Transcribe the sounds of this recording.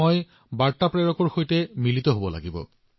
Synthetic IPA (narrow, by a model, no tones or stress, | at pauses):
ɔj | baɹtapɹeɹɔkɔɹxojtɛmilitɔɦobɔla̰ɡibɔ̰